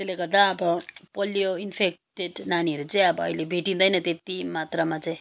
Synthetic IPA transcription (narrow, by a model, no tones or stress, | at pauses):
tt̪eleɡʌrd̪aʌbʌpʌljoinpʰek̚ʈeɖnaniɦʌɾut͡saj̃ʌbʌʌ̰ilebʱeʈĩnd̪ʌjnʌt̪et̪imat̪ramat͡saj̃